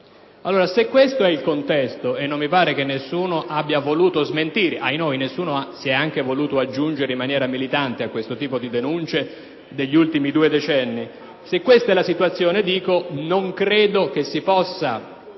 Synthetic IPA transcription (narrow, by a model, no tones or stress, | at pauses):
alːoːɾasekːwest̪oɛilkont̪ɛst̪oenːomːipaːɾek̟enːesːuːnoʔabːjavoluːt̪ozment̪iːɾeʔajnoːjnesːuːnoasiɛaŋk̟evoluːt̪oad͡ʒːund͡ʒeɾeimːanjɛːɾamilit̪ant̪eakːwest̪ot̪iːpod̪id̪enunt͡ʃe | d̪eʎːult̪imid̪uːed̪et͡ʃɛnːi | sekːwest̪aɛlːasit̪uat̪sːjoːned̪iːkonoŋkɾeːd̪ok̟esːipɔsːa